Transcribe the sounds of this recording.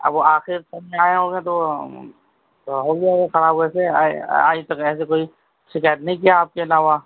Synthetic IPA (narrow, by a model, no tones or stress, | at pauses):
ɐ̰boaːxɪɾsɐbmẽaːẽɦoːɡẽt̪o | ɦoːɡeaɡexɐɾaːboɛsea̰ːit̪ɐkɛːsekoːi | sɪkɛːʈnɐɦĩk̬iaːp̚keɐlaːʋaː